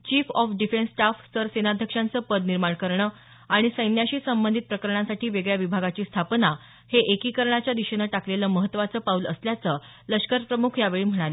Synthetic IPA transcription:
t͡ɕiːfɔfɖifensːʈafsəɾsenad̪ʱjəkʂãnt͡səpəd̪niɾmaɳkəɾɳəː | aɽ̃isəjnjaɕiːsəmbənd̪ʱit̪̚pɾəkəɾɳãsaʈʰiːʋeɡɭjaʋibʱaɡat͡ɕiːst̪ʰapna | heʔekiːkəɾɳat͡ɕjad̪iɕənəːʈakleləːməɦət̪ːʋat͡səːpauləsljat͡səː | ləʂkəɾpɾəmukʰjaʋeɭiːm̤əɽ̃ale

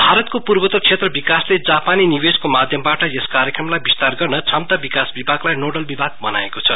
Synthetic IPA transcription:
bʱaɾʌt̪kopurbʌt̪ʌksʰet̪rʌbikasled͡zapaninibeskomad̪ʱjʌmbaʈʌeskaɾjekrʌmlajbist̪arɡʌrnʌt͡sʰʌmt̪abikasbibʱaɡlajnoɖʌlbibʱaɡ̚bʌna̰ekot͡sʰʌ

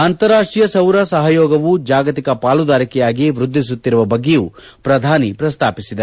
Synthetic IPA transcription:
ɐnt̪ɐɾaːʂʈɾijɐsɐwɾɐsɐɦɐjɔːɡɐʋud͡ʒaːɡɐt̪ikɐpaːlud̪aːɾikɛjaːɡiʋɾud̪ʱːis̬ut̪ːiɾuʋɐbɐɡːɛjuːpɾɐd̪ʱaːnipɾɐst̪ʰaːpisid̪ɐ

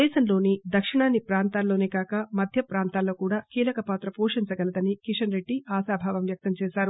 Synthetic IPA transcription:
ɛːʃɐmlo̞ːnid̪ɐkʂiɳaːnːipɾaːnt̪aːlːo̞ːneːkaːkɐmɐd̪ʱjɐpɾaːnt̪aːlːo̞ːkuːɽaːkiːlɐkɐpaːt̪ɾɐpoːʂiɲt͡ʃɐɡɐlɐd̪ɐnikiʂɐnɾe̞ɖːiaːsaːbʱaːʋɐmʋjɐk̚t̪ɐmt͡ʃɛːʃaːɾu

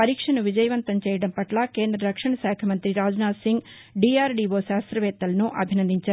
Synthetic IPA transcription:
pɐɾiːkʂɐɳɐʋid͡ʒɐjɐʋɐnt̪ɐmt͡ʃɛːjɐɽɐmpɐʈlaːkeːnd̪ɾɐɾɐkʂɐɳɐsaːkʰjɐmɐnt̪ɾiɾaːd͡ʒnaːsiŋɡ | ɖiːaːɾɖiːʋoːʃaːst̪ɾɐʋɛːt̪ːɐlɐnuʔɐbʱinɐnd̪iɲt͡ʃaːɾu

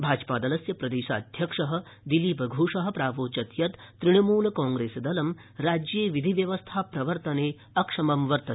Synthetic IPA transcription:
bʱaːd͡ʒpaːd̪ɐlɐsjɐpɾɐd̪eːʃa̰ːd̪ʱjɐkʂɐɦɐ̆ | d̪iliːpɐɡʱuːʂɐɦɐ̆pɾaːʋoːt͡ʃɐt̪jɐt̪ːɾiɽ̃ɐmuːlɐkãːŋɡɾeːsɐd̪ɐlɐmɾaːd͡ʒjeːʋid̪ʱiʋjɐʋɐst̪ʰapɾɐʋɐɾt̪ɐneː | ɐkʂɐmɐmʋɐɾt̪ɐ̥

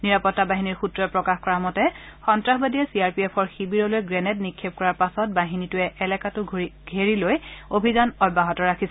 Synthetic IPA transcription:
niɹapɔtːabaɦiniɹxutɹɔɛpɹɔkaxkɔɹamɔtɛxɔntɹaxbadiɛsiaɹpiɛpʰɔɹxibiɹɔlojɡɹɛnɛtnikʰːep̚kɔɹaɹpasɔt̚baɦinitʊɛʔɛlɛkatʊɡʱeɹilojobʱizanɔbːaɦɔtɔɹakʰisɛ

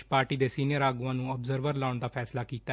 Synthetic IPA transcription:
paːɾʈiːd̪eːsiːnijəɾaːɡʊãːnũːəbzəɾʋəɾlaʊɳd̪aːpʰɛːslaːkiːt̪a

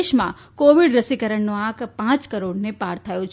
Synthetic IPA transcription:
ʃmã̰ | koʋiɽɾəsikəɾəɳnoãkpãt͡ʃkəɾoɽnepaɾt̪ʰəjõt͡ʃʰ

